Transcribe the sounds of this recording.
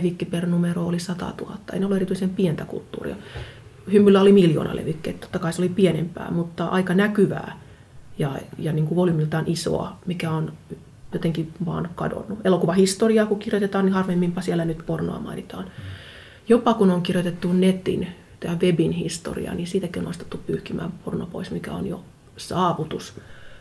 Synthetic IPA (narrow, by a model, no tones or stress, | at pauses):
ʋikːipernumeroolisɑt̪ɑ̰t̪uhɑt̪ːɑḛneolːuerit̪yisempient̪ækṵlt̪ːṵːrḭɑ | hymːylːæolimiljo̰ːnɑ̰lʔḛʋikːḛit̪t̪o̥t̪ːɑkɑiseolipienḛmpæ̰ːmut̪ːɑʔɑikɑnækyʋæ̰ː | jɑjɑniːŋkuʋolimilt̪ɑnʔiso̰ɑ̰mikæon | jot̪eŋkiʋɑ̰ːnkɑ̰do̰nːuʔelokuʋɑhist̪oriɑːkukirjot̪et̪ɑːnihɑrʋeemːimpɑsielːænyt̪porno̰ɑ̰mɑ̰init̪ɑːn | jopɑkunoŋkirjot̪et̪ːunnet̪ḭn | t̪æːʋebinhist̪o̰rḭɑ̰nisiːt̪ækionost̪e̥t̪ːuppyːhkimæ̰ːmporno̰po̰ismikæ̰o̰njo̰ | sɑːʋut̪us